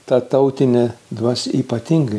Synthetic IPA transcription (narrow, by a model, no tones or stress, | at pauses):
t̪ɐt̪ɐʊt̪ʲɪnʲɛd̪ʋɐsiːpɐt̪ʲɪŋɡɐɪ